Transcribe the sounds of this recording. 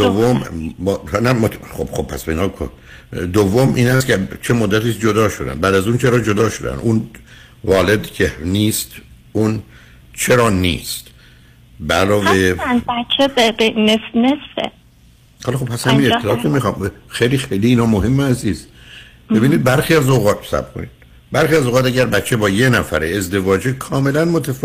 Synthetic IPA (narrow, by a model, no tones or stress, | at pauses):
d̪ovːombhnæmot̪χob̥xob̚pʰæsbeinɑːkʰo̰ | d̪ovːomʔiːnæst̪cet͡ʃʰemod̪ːæt̪ʰiːsd͡ʒod̪ɒːʃod̪æ̰nbæd̪æzuːnt͡ʃʰeɾɒːd͡ʒod̪ɒːʃod̪æ̰nuːn | vɒːled̪cʰeniːst̪ | un | t͡ʃʰeɾɒːnḭːst̪ | bælɒːveænbæt͡ʃʰːebebenesnesfḛ | hɒlxob̚pʰːæshæmiːnet̪ʰːeːt̪umixɒːmxejlixejliːnɒːmoɦemːææziːst̪be̞biːniːd̪̚bæɾxiːæzoɣɒːt̪sæ̰b̥kʰo̰nḭd̪̥ | bæɾxiːæzoɣɑːt̪æɟæɾbæt̪t͡ʃʰːe̞bɒːjenæfæɾeezd̪e̞vɒːd͡ʒekʰɒːme̞lænmot̪ʰæf